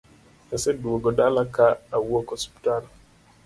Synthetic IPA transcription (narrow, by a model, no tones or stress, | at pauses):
asɛduwoɡɔdalakaawuokɔspi̥tal